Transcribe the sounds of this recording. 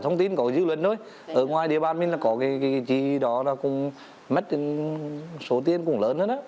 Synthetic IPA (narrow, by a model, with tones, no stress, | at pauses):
t̪ʰə˧wŋ͡mt̪i˧nkɔ˨˦zɨ˧˦lwə˨˧˩nzo˧j | ʔəː˨˧˩ŋwaː˨˩jɗi˧˨ɓaː˨˩nmï˧laː˨˩kɔ˨˦kaː˨˦kaː˨˦jt͡ɕi˧˦˧ɗɔ˨˦nɔ˨˦kʊ̰˧˥ŋ͡m | mə˦˥t̚ | so˨˦t̪i˧ənkʊ̰˧˩ŋ͡mləː˨˦nhəː˧˥na˨˦